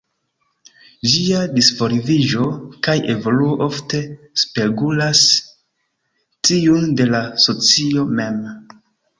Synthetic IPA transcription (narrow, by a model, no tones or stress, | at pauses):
d͡ʒiadisfo̞ɾiviʒo̞kaje̞vo̞luoʔofte̞ | spe̞ɡulas | tiunde̞laso̞t͡sio̞me̞m